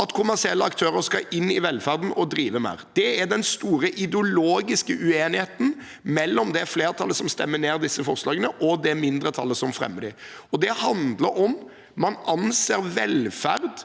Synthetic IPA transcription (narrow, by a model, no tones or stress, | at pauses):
ɑt̪kʰʊmæʁsɪɛlːəɑkt̪ʰøːɾəɾskɑʔɪnːɪʋɛlfæɾd̪n̩ɔd̪ɾiːʋəmæ̰ːɾd̪̥ɛæd̪ɛnst̪uːɾəʔɪd̪ɛʊloːɡɪskəʔʉeːnɪheːt̪n̩ | mɛlːɔmd̪ɛæɾfleːɾt̪ʰɑlːəsɔmst̪ɛ̰mːəneːɾd̪ɪsːəfɔɾslɑːɡənəʔɔd̪ɛmɪnd̪ɾət̪ʰɑ̰lːəsɔmfɾɛ̰mːəd̪ɪ | ɔd̪ɛhɑnd̪ləɾɔmː | ɑnɑnseːɾʋɛlfæɾd̪